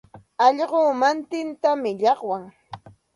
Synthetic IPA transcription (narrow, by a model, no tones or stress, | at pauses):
ɑʎɢoːmant̪ɪnt̪amɪʎɑχwaŋ